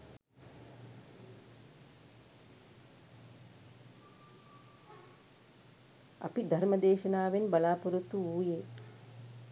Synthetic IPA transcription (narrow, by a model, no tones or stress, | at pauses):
ɐ̰pid̪ʱɐɾmɐd̪eːʃɐnaːʋenbɐlaːpuɾut̪ːuuːje